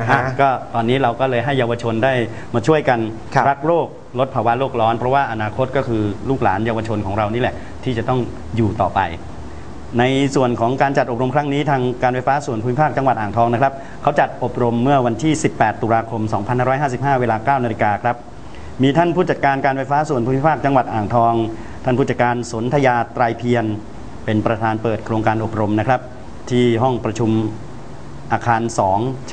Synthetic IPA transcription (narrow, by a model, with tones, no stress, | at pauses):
ʔa˧˩kɔː˥˩t̪ɔː˧nːiː˦˥ɾa˧wkɔː˥˩lɤː˧jɦa˥˩jːaː˧wa˧t͡ɕʰo˧ndaː˥˩j | maː˧t͡ɕʰu˥˩əjka˧nʰ | ɾa˦˥k̚ɾoː˥˩k̚ | lo˦˥t̪̚pʰaː˧wa˦˥loː˥˩k̚lɔː˦˥npʰɾɔ˦˥waː˥˩ʔa˧naː˧kʰo˦˥t̪̚kɔː˥˩kʰɯː˧luː˥˩k̚laː˩˦njaː˧wa˧t͡ɕʰo˧nkʰɔː˩˦ŋɾa˧wniː˦˥lɛ˨˩ʔ | t̪ʰiː˥˩t͡ɕa˨˩t̪ɔ˥˩ŋ | juː˨˩t̪ɔ̰ː˨˩pa̰˧j | na˧jsu˨˩ənkʰɔː˩˦ŋkaː˧nt͡ɕa˨t̪̚ʔo˨˩p̚ɾo˧mkʰɾa˦˥ŋniː˦˥t̪ʰaː˧ŋkaː˧nfa˧jfaː˦˥su˨˩ənpʰuː˧˦i˥pʰaː˥˩k̚t͡ɕa˧ŋwa˨˩t̪ʔaː˨˩ŋt̪ʰɔː˧ŋna˦˥kʰɾa˦˥p̚ | kʰa˦˥wt͡ɕa˨˩t̪̚ʔo˨˩p̚ɾo˧mːɯ˥˩ɐwa˧nt̪ʰiː˥˩si˨˩pːɛː˨˩t̪ːuː˧ɾaː˧kʰo˧msɔː˩˦ŋpʰa˧nhaː˥˩ɔ˦˥jɦaː˥˩si˨˩p̚ɦaː˥˩weː˧laː˧kaː˥˩wna˧li˧˩kaː˧kʰɾa˦˥p̚ | miː˧t̪ʰa˥˩npʰuː˥˩t͡ɕa˨t̪̚kaː˧nkaː˧nfa˧jfaː˦˥su˨˩ənpʰuː˧˥˦i˥paː˥˩k̚t͡ɕa˧ŋwa˨˩t̪̚ʔaː˨˩ŋt̪ʰɔː˧ŋ | t̪ʰa˥˩pʰuː˥˩t͡ɕ̪̚kaː˧nso˩˦nt̪ʰa˧jaː˧t̪ɾaː˧jpʰi˧ən | pe˧npɾa˧t̪ʰaː˧npɤː˨˩t̪̚kʰɾoː˧ŋkaː˧nʔo˨˩p̚ɾo˧mna˦˥kʰɾa˦˥p̚ | t̪ʰiː˥˩ɦɔ˥˩ŋpɾa˧t͡ɕʰu˧m | ʔaː˧kʰaː˧nsɔː˩˦ŋ